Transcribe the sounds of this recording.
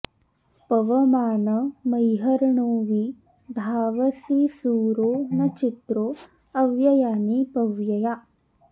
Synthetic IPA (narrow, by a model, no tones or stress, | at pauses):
pɐʋɐmaːnɐmɐjɦɐɾɳoːʋiː | bʱaːʋɐsisuːɾoːnɐt͡ʃit̪ɾoː | ɐʋjɐjaːnipɐʋjɐjaː